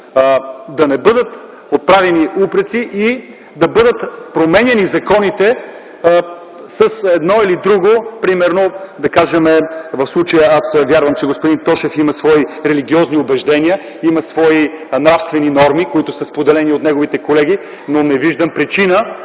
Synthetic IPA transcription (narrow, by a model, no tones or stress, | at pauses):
d̪ɐnɛbɤd̪ət̪ | ot̪̚pɾavɛniʔupɾət̪siʔi | d̪ɐbɤd̪ət̪pɾomɛnʲɛnizɐkɔnit̪ɛ | səsɛd̪nɔilid̪ɾuɡopɾimɛɾnod̪ɐkaʒəmɛvɐfslˠut͡ʃəjəasvʲjaɾvəmt͡ʃɛɡospod̪int̪ɔʃɛfimɐsvɔiɾɛliɡʲiɔzniobɛʒd̪ɛnʲiə | imɐsvɔinɾafst̪vɛninɔɾmikoit̪ʊsəspod̪ɛlɛniot̪nɛɡovit̪ɛkolɛɡ̟i | nonɛviʒd̪əmpɾit͡ʃinə